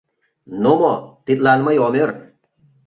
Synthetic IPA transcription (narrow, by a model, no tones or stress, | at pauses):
nomɔt̪it̪̚lanmajɔmeɾ